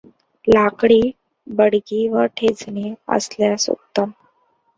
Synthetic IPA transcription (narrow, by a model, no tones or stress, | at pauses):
lakɽiː | bəɽɡiʋəʈʰed͡zneə̰sljasṵkt̪əm